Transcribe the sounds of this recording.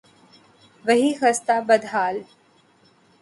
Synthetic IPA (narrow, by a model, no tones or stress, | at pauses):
ʋɐɦixɐst̪abɐd̪ʱɦaːl